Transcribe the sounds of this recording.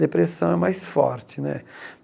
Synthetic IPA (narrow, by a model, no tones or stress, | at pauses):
d̪epɾesɐ̃w̃ɛmajsfɔ̰ɾt͡ʃɪnɛ̰